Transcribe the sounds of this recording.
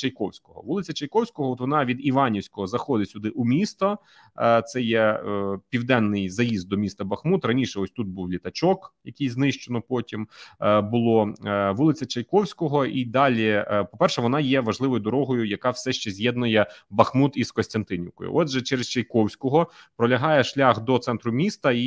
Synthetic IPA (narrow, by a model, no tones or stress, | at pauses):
t͡ʃɐjkɔwsʲkɔɦɔ̰ʋulˠɪt͡sʲɐt͡ʃɐjkɔwsʲkɔɦɔɔt̪ʋɔnɑʋʲid̪iʋɑnʲiwsʲkɔɦɔzɐxɔd̪ɪsʲʊd̪ɪʔumʲist̪ɔ | t̪sɛjɛpʲiwd̪ɛnːɪjzɐjizd̪̚d̪ɔmʲist̪ɐbɐxmut̪rɐnʲiʃɛɔsʲt̪ut̪̚buwlʲit̪ɐt͡ʃɔkjɐkɪjznɪʃt͡ʃɔnɔpɔtʲimbʊlˠɔʋulˠɪt͡sʲɐt͡ʃɐjkɔwsʲkɔɦɔʔid̪ɑlʲipɔpɛrʃɛʋɔnɑjɛʋɐʒlˠɪʋɔjʊd̪ɔɾɔɦɔjʊjɐkɑwsɛʃt͡ʃɛzʲjɛd̪nʊjɛbɐxmut̪iskɔsʲt̪ɐnt̪ɪnʲɪ̰wkɔ̰jʊ̰ʔɔd̪ʒɛt͡ʃɛɾest͡ʃɐjkɔwsʲkɔɦɔ | pɾɔlʲɐɦɑjɛʃlʲɑxd̪ɔt̪sɛnt̪ɾʊmʲist̪ɐi